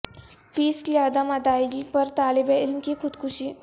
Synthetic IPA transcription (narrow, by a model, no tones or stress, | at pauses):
fiːskliad̪əməd̪ailipəɾt̪alibeɪlmkikʰʊd̪kʰuɕiː